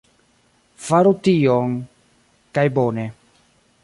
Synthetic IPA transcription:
faɾut̪ioŋ | kajbone

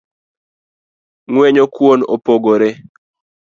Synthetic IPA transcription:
ŋwɛɲokwono̰poɡoɾe

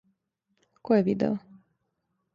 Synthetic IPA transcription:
koɛvid̪ɛ̰lˠ

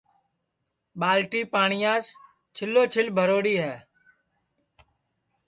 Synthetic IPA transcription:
ɓaːlʈiːpaːɳɪjãːs | t͡ʃʰɪlːoːt͡ʃʰɪlbʱəɾoːɽiːɦɛː

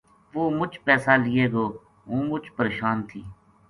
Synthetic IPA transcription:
ʋoːmʊt͡ʃpɛːsaːlɪjeːɡoː | ɦõːmʊt͡ʃpəɾeːʃaːnt̪ʰiː

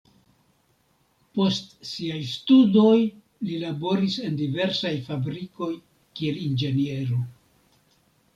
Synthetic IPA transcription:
po̞stsiajstudo̞j | lilabo̞ɾise̞ndive̞ɾsajfabɾiko̞j | kie̞lind͡ʒe̞nie̞ɾo

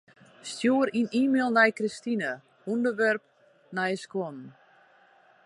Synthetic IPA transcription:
stjuːəɾiniːmelˠnɛjkristinə | undərʋɛrp̚ | nɛjskɔn

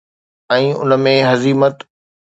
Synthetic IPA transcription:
ɛ̃ːʊ̰nə̆mẽɦɐziːmət̪

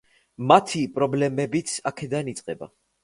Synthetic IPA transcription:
mat̪ʰipʼɾɔblɛmɛbit̪sʰakʰɛd̪anit̪sʼqʼɛba̰

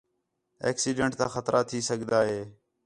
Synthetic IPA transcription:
ḛːksiːɖeɳʈ̚t̪ã̰ːxət̪ɾʔaːt̪ʰiːsəɡʱd̪aːɦeː

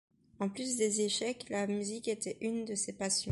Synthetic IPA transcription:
ɑ̃plys̬d̪ezeʃɛklamyziket̪ɛʔynd̪əsepasjɔ̃

